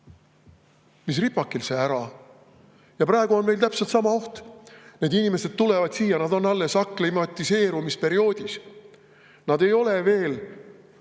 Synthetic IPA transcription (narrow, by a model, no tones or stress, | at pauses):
mis̬ripːɑkːˑilseæɾɑ | jɑpɾɑeɡ̥uo̞nme̞jlt̪æpselt̪sɑmɑo̞ht̪ne̞d̪inime̞se̞d̪̥̚t̪ule̞vɑd̪̥siːjɑnɑd̪̥o̞nːɑlːe̞sɑkːˑlimɑt̪ːˑise̞ːɾumispe̞ɾio̞ːd̪̥is | nɑd̪e̞jo̞le̞ve̞ːl